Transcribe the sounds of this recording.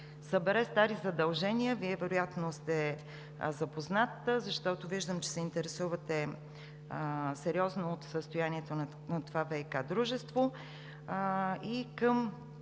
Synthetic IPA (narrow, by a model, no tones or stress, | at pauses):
səbɛɾɛst̪aɾizɐd̪ɐlˠʒɛniəviɛvɛɾojat̪nost̪ɛ | zɐpoznat̪əzɐʃt̪ɔt̪oviʒd̪əmt͡ʃɛ̥sɛint̪ɛɾɛsuvət̪ɛ | sɛɾʲiɔznoːt̪səst̪ojaniɛt̪on | nɐt̪ovavɛjkad̪ɾuʒɛst̪vo | ikəm